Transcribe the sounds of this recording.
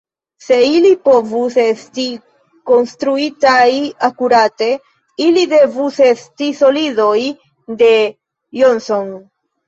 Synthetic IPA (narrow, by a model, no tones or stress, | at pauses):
se̞ilipo̞vuse̞sti | ko̞nstɾuitajakuɾate̞ | ilide̞vuse̞stiso̞lido̞j | de̞ | jonso̞n